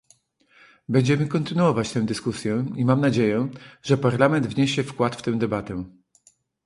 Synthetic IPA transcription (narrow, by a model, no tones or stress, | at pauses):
bɛɲd͡ʑɛmɘkɔnt̪ɘnuɔvat͡ɕt̪ɛ̃w̃d̪ɘskusʲjɛimamnad͡ʑejɛʐɛpaɾlamɛnd̪vɲeɕɛfkwat̪ft̪ɛ̃w̃d̪ɛbat̪ɛ